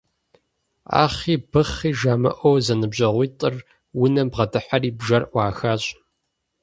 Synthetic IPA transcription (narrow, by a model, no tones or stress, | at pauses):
a̰ːχiːbɨχiːʒaːmɐ̰ʔʷowzɐnɨbʑɐʁʷiːtʼɨr | wʊnɐmbʁɐdɨħariːbʒɐrʔʷɑːxaːɕʼ